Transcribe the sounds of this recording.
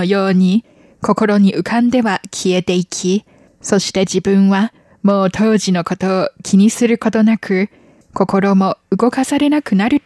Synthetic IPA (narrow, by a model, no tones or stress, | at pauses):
ojo̞ːɲ̟i | kʰo̞ko̞ɾo̞ɲ̟iʔɯ̟kʰãnd̪e̞βakʲʰie̞t̪e̞ikʲʰi | so̞ɕi̥t̪e̞d͡ʑibɯ̟̃ɰ̃βa | mo̞ːt̪ʰo̞ːʑino̞ko̞t̪o̞ːkʲʰiɲ̟isɨɾɯ̟ko̞t̪o̞nakʰɯ̟ | ko̞ko̞ɾo̞mo̞ɯ̟ɡo̞kasaɾe̞nakɯ̟naɾɯ̟